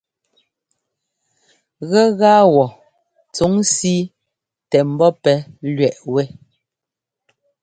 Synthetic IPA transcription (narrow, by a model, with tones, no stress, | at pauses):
ɣɛ˦ɣaː˦wɔ˨ | t͡su˨˦ŋsi˦ | tɛ˨m̩˨˦bɔ˦pɛ˨˦lɥɛ˨ʔwɛ˦